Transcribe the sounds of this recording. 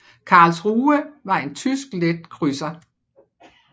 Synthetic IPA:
kʰɑ̈ːlsʁuːəʋɑ̈e̝nt͡sʰysɡ̥led̥̚kʰʁysɐ

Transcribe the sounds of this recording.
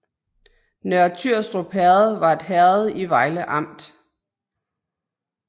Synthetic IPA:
nɶɐt͡sʰyɐ̰sd̥ʁob̥hɛɐð̩ˠʋɑ̈e̝d̥ɦæɐð̩ˠiʋɑ̈ɪləʔɑ̈m̰d̥

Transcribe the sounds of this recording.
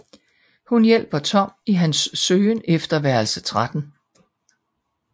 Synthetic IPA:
hunjel̰b̥ɐt͡sʰɒ̽m̰iɦænsːøːnefd̥ɐʋæɐlsət͡sʰʁad̥n̩

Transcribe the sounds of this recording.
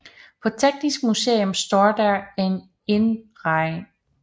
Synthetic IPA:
pʰɒ̽t͡sʰeɡ̥̚d̥isɡ̥̚musḛːomsd̥ɒ̰ːd̥æɐen | enʁɑ̈ɪ

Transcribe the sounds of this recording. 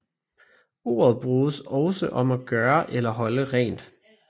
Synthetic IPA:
o̝̰ːɐð̞̩ˠb̥ʁuːsɒʊsəʔɒ̽mæɡ̥ɶːɐʔelɐɦɒ̽ləʁɛ̰ːnd̥

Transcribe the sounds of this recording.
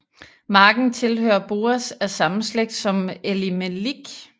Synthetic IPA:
mɑ̈ːɡ̥n̩t͡sʰe̝lhø̰ːɐb̥o̝̰ːɐsæɐsɑ̈mn̩sleɡ̥̚d̥sɒ̽melimeliɡ̥

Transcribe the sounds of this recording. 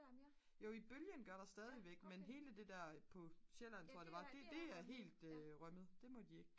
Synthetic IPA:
jo̝ib̥øljənɡ̥ɶɐɾ̥ɑ̈sd̥ɛːð̞ˠiʋeɡ̥menɦe̝ːləd̥e̝d̥æɐ̰pʰɒ̽ɕelænt͡sʰo̝ɐ̰ɐd̥e̝ʋɑ̈d̥e̝d̥e̝æɐɦe̝̰ːld̥øʁɶməð̩ˠd̥e̝mɒ̽d̥ie̝ɡ̥

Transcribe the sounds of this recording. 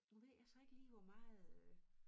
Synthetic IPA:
uʋeæɐsɒe̝ɡ̥əliːʋɒmɑ̈ːð̩ˠø

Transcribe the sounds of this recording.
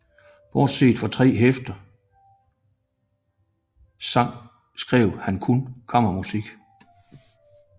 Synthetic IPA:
ʋɒːd̥se̝̰ːd̥fɒ̽t͡sʰʁɛ̰ːɦefd̥ɐ | sɑ̈ŋ̰ | sɡ̥ʁɛʊ̰hænkʰunkʰɒ̽m̰ɐmusiɡ̥

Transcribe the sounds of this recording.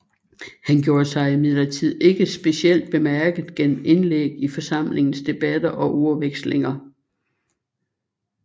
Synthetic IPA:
hænɡ̥jo̝ːɐsɑ̈ɪimið̰ˠlɐt͡sʰið̞̰ˠe̝ɡ̥əsb̥e̝siel̰d̥̚b̥e̝mæɐɡ̥ð̩ˠɡ̥en̰m̩e̝nleɡ̥̚ifɒ̽sɑ̈m̰le̝ŋn̩sd̥e̝b̥æd̥ɐʔɒ̽ʔoɐʋeɡ̥sle̝ŋɐ

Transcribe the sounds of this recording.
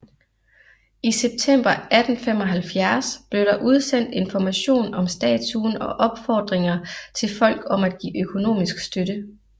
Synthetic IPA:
iseb̥̚t͡sʰem̰b̥ɐæd̥n̩femɒ̽ɦælfjæɐsb̥le̝ʊɾ̥ɑ̈ʔuð̞ˠsen̰d̥e̝nfɒmæɕo̝̰ːnɒ̽msd̥ɛ̰ːt͡sʰuːnɒ̽ʔɒ̽b̥fɒːd̥ʁeŋɐt͡sʰe̝lfɒ̽l̰ɡ̥ɒ̽mæd̥̚ɡ̥ḭːʔøkʰo̝no̝̰ːmisɡ̥sd̥øɾ̥ə

